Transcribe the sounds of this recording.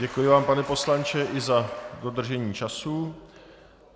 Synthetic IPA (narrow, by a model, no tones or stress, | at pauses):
ɟɛkujɪvaːmpanɛpo̞slant͡ʃɛʔɪzado̞d̪r̩ʒɛɲiːt͡ʃasu